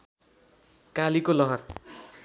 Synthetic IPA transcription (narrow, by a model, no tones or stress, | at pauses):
kalikolʌɦʌr